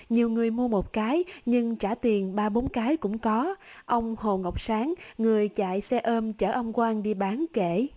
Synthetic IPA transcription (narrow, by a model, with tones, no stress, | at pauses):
ɲi˨˩əwŋɨ˨˩əjmu˧əmo˨˩t̚kaː˨˦jɲɨ˧ŋt͡ɕaː˧˩t̪i˨˩ənɓaː˧ɓo˨˦nkaː˨˦jkʊ̰˧˥ŋ͡mkɔ˨˦ʔə˧wŋ͡mho˨˩ŋə˨˩wk͡p̚saː˨˦ŋŋɨ˨˩əjt͡ɕa̰ː˧˨jsɛ˧ʔəː˧mt͡ɕəː˧˩ʔə˧wŋ͡mkwaː˧ŋɗi˧ɓaː˨˦nkḛ˧˩˨